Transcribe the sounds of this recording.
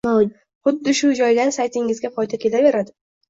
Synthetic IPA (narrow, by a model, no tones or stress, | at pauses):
ma | χʊd̪ːɪʃʊd͡ʒɒjlansajt̪ʰɪŋɪzɡʲafʰɒjd̪akʲʰe̞lave̞ɾad̪ɪ